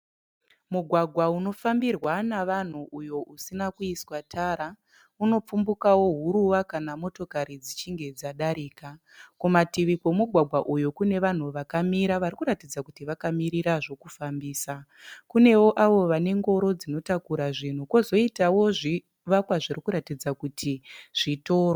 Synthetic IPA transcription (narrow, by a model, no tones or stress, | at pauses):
muɡʱwaɡʱwauno̞fambirwanaʋan̤uʔujo̞ʔusinakuiswatʰaɾa | uno̞p͡fumbukawo̞ɦuɾuʋakanamo̞to̞kaɾid͡zit͡ʃiŋɡe̞d͡zaɗaɾiːka | kumatiʋikomuɡʱwaɡʱwaʔujokune̞ʋan̤uʋakamiɾaʋaɾikuɾatid͡zakutiʋakamiɾiɾaʐo̞kufambiːsa | kune̞wo̞ʔaʋo̞ʋane̞ŋɡo̞ɾo̞d͡zino̞takuɾaʐin̤uko̞zo̞itawo̞ʐi | ʋakwaʐirikuɾatid͡zakutʰiʐ̥ito̞ːro